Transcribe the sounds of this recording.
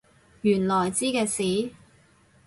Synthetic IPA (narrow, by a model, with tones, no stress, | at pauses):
jyː˨˩nlɔː˨˩jt͡siː˥kɛː˧siː˨˥